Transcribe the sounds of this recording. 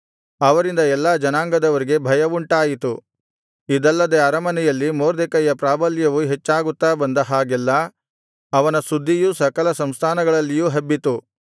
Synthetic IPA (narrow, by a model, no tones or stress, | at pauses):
ɐʋɐɾind̪ɐɛlːaːd͡ʒɐnaːŋɡɐd̪ɐʋɐɾiɡe̞bʱɐjɐʋuɳʈaːjit̪u | id̪ɐlːɐd̪eɐɾɐmɐnɛjɐlːimoːɾd̪ɛkɐjɐpɾaːbɐljɐʋuɦet͡ʃːaːɡut̪ːaːbɐnd̪ɐɦaːɡɛlːɐː | ʋɐnɐsud̪ʱːijusɐkɐlɐsɐmst̪ʰaːnɐɡɐɭɐlːijuːɦɐbːit̪u